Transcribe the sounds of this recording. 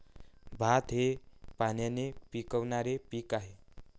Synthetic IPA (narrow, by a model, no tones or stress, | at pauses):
bʱat̪ɦepanjanepikəʋnaɾepiːkaɦe